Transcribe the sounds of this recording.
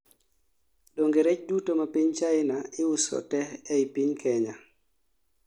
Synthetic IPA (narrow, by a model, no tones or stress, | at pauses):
ɗoŋɡeɾɛt͡ʃdutomapiɲt͡ʃaɪnaɪusɔ̰tɛɛipiɲkʰɛɲa